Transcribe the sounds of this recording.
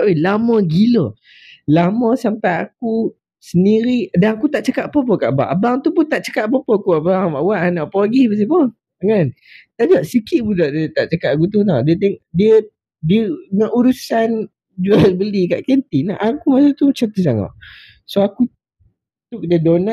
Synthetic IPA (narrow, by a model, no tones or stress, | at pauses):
ʔojlamə̃ɡilə | lamə̃sampajak̚u | səndiɾidaŋakut̪aʔt͡ʃəkaʔpop̬əkaʔba̰ʔabaŋt̪upunt̪aʔt͡ʃə̥kaʔpɔpəkuabaŋbaʔwaʔnaʔpoaɡibəs̬ipə | ŋan | t̪aʔd͡ʒaʔsikiʔ̚budɔʔdiət̪aʔt͡ʃəkaʔakut̪̬unadiət̪ɛŋdiə | diəŋaʔuɾusan | d͡ʒualbəlika̰ʔkənt̪inaʔakumasut̪ut͡ʃat̪usaŋa̰ʔ | soaku | t̪ukdədona